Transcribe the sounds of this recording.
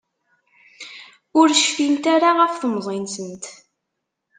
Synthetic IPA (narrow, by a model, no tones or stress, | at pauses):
ʊɾʃfint̪aɾaʁəfθəmzˤinsənt̪